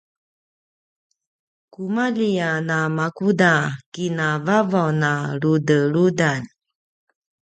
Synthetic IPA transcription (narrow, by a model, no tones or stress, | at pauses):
kumalianamakudakinavavawnaɾudəɾudan